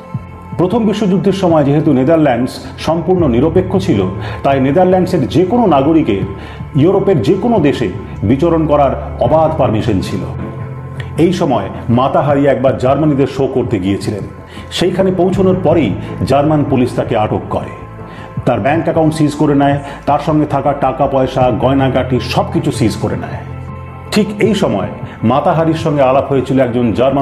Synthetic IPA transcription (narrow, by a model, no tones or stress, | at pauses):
pɾot̪ʰombiʃːod͡ʑuɡ̚d̪ʱeɾʃɔmɔed͡ʑeɦet̪uned̪aɾlɛɳɖs | ʃɔmpuɾnoniɾopekʰːot͡ɕʰilot̪ajned̪aɾlɛɳɖseɾd͡ʑekononaɡoɾikeɾ | juɾopeɾd͡ʑekonod̪eʃe | bit͡ɕoɾonkɔɾaɾ | ɔbad̪ʱpaɾmiʃont͡ɕʰilo̰ | ejʃɔmɔe | mat̪aɦaɾiaɛk̚baɾd͡ʑaɾmanid̪eɾʃokoɾt̪eɡiet͡ɕʰilen | ʃejkʰanepowt͡ɕʰonoɾpɔɾejd͡ʑaɾmanpuliʃt̪akeaʈokːɔɾḛ | t̪aɾbɛŋkɛkaw̃ɳʈsizkoɾenae | t̪aɾʃɔŋɡet̪ʰakaʈakapɔeʃaɡɔenaɡaʈiʃɔb̚kit͡ɕʰusizkoɾḛna̰e | ʈʰikejʃɔmɔemat̪aɦaɾiɾʃɔŋɡealapɦojet͡ɕʰiloɛk̚d͡ʑond͡ʑaɾma